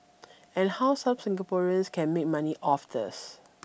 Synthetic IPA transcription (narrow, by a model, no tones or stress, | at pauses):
ɛ̃nhawsabsɪ̃ŋɡapɔɹiə̃nskʰɛ̃nmek̚maniʔɔfdə̰s